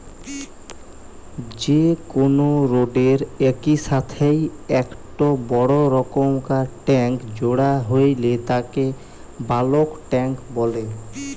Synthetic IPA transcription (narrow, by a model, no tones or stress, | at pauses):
d͡ʑekonoɾoɖeɾɛkiʃat̪ʰejɛkʈobɔɽoɾɔkomkaʈɛŋkd͡ʑoɽaɦojlet̪ake | balokʈɛŋkbɔle